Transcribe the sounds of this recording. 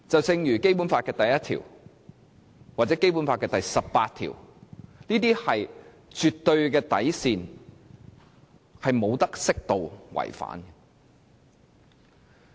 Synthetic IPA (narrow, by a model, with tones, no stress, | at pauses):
t͡sɐ˨wt͡sɪ˧ŋjyː˨˩ke˥jpuː˨˥nfaː˧t̚kɛː˧t̪ɐ˨jɐ˥t̚t̪ʰḭː˨˩w | waː˨t̚t͡sɛː˨˥ke˥jp̬u˨˥nfaː˧t̚kɛː˧t̪ɐ˨jsɐ˨ppaː˧t̪ʰḭ˨˩wniː˥t̪iː˥hɐ˨j | t͡ʃy˨t̪ːɵ˧ɥkɛː˧t̪ɐ̰˨˥jsiː˨n | hɐ˨jmo˨˧wt̪ɐ˥k̚sɪ˥k̚t̪o˨wwɐ̰˨˩jfa̰ː˨˥n